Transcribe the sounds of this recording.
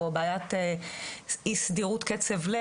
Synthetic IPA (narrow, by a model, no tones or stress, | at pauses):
obajat̪e | isd̪iʁut̪ket͡sevle